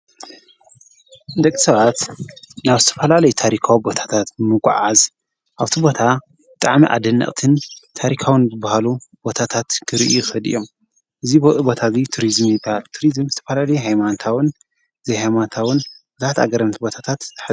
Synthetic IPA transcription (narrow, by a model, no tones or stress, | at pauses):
d̪ɐkʼːisɐβat̪naβzɨt̪ʰɐ̥fɐlalɐjut̪ʰaɾikʰawibo̞t̪ʰḁt̪ʰat̪bɨmɨkʷʼːa̰ʕaz | ʔaβt̪ʰibo̞t̪ʰa | bɨt̪ʼaʕmḭʔa̰d̪ɨnːɐ̰ʔʼt̪ʰɨnt̪ʰaɾikʰawɨnzɨbːahalubo̞t̪ʰat̪ʰat̪ɡʰɨɾiʔuxɨlɨ̰jːo̞m | ʔɨzibɨʔʼɨbo̞t̪ʰazit̪ʰuɾizmjɨbahalt̪ʰuɾizɨmzɨt̪ʰɐfɐlalɐjuɦajmant̪ʰawɨn | zihajmant̪ʰawɨnbɨzat̪a̰ɡɐɾɐmt̪ʰibo̞t̪ʰat̪ʰat̪tɨ̥ħ